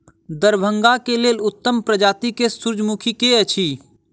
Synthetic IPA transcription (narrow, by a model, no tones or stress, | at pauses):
d̪əɾbʱə̃ŋɡakeleːlʊt̪ːəmpɾəd͡ʒaːt̪ikesʊɾd͡ʒmukʰikeət͡ʃʰiː